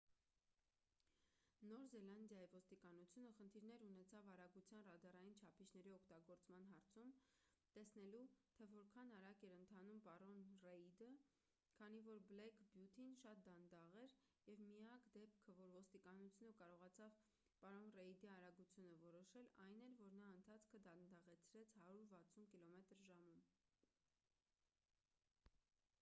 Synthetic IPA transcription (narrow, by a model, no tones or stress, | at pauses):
nɔɾzɛlɑnd̪jɑjivɔst̪ikɑnut͡sʰjunəχənt̪ʰiɾnɛɾunɛt͡sʰɑvɑɾɑɡut͡sʰjɑnrɑd̪ɑrɑjint͡ʃʰɑpʰit͡ʃʰnɛɾiɔkʰt̪ɑɡɔɾt͡smɑn̪ɦɑɾt͡sʰum | t̪ɛsnɛlut̪ʰɛvɔɾkʰɑnɑɾɑkɛɾənt̪ʰɑnumpɑɾɔnrɛid̪ə | kʰɑn̪ivɔɾblɛkʰbjut̪ʰinʃɑt̪̚d̪ɑnd̪ɑʁɛɾ | jɛvmiɑkd̪ɛpkʰəvɔɾvɔst̪ikɑnut͡sʰjunəkɑɾɔʁɑt͡sʰɑv | pɑɾɔnrɛid̪iɑɾɑɡut͡sʰjunəvɔɾɔʃɛlɑjnɛɾvɔɾnɑənt̪ʰɑt͡sʰkʰəd̪ɑnd̪ɑʁɛt͡sʰɾɛt͡sʰhɑɾuɾvɑt͡sʰunkilɔmɛt̪ɾʒɑmum